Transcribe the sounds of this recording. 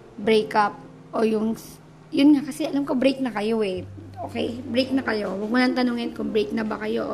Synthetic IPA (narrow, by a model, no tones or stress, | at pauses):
bɾejkʔap̚ | ʔojʊŋ | jʊnŋakɐsɛʔɐlamko̞bɾejk̚nɐkɐjo̞ʔɛʔoːkɛjbɾejk̚nɐkɐjo̞wɐɡ̚mʊnɐŋt̪ɐnoŋɪnkʊŋbɾejk̚nɐbɐkɐjo̞ʔ